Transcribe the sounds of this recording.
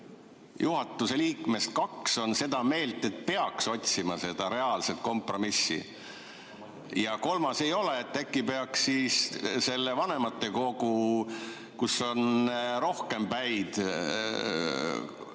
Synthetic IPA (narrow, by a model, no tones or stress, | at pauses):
juɦɑt̪ːˑuse̞liːkme̞st̪̚kɑkso̞nse̞d̪̥ɑme̞ːlt̪ːˑe̞t̪̚pe̞ɑkso̞t̪ʲsimɑse̞d̪̥ɑɾe̞ɑlse̞t̪̚ko̞mpro̞misːḭ | jɑko̞lmɑse̞jo̞le̞ːt̪ːekˑːipe̞ɑksːiːsse̞lːevɑne̞mɑt̪ːˑe̞ko̞ɡu | kuso̞nɾo̞hke̞mpæjd̪̥